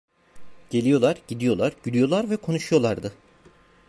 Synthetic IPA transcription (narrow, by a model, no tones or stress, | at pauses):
ɟ̥e̞lʲijo̞lˠaɾɟid̪ijo̞lˠaɾɟylijo̞lˠaɾvɛkʰo̞nuʃujo̞lˠaɾd̪ɯ